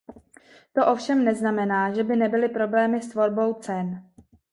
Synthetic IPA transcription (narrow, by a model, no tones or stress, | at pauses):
t̪o̞ʔo̞fʃɛmnɛznamɛnaːʒɛbɪnɛbɪlɪpɾo̞blɛːmɪst̪vo̞ɾbo̞wt͡sɛn